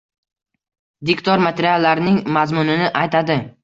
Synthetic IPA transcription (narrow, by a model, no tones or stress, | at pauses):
d̪ɪkt̪ʰɒɾmat̪ʰeɾialːaɾɪnɪŋmazmʊnɪnɪʔajt̪ʰad̪ɪ